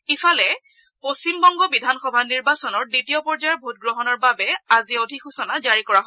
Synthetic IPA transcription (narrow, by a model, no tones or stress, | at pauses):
ifalɛ | post͡ɕimbɔŋɡɔbidʱanxɔbʱaniɹbasɔnɔɹditijɔpɔɹd͡ʒabʱut̚ɡɹɔɦɔnɔɹbabɛaziodʱikʰusɔnazaɹikɔɹaɦɔ